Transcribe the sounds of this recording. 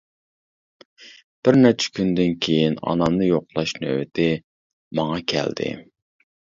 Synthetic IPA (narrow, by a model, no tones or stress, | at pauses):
b̥ɪɾnɛt͡ʃʰɛ̥kʲʰynd̪ɪnkʲʰejinɑ̰nɑmnɨjoqlˠɑʃnø̰wɪt̪ʰɪ | mɑŋɑkʲʰɛ̰ld̪ɪ̰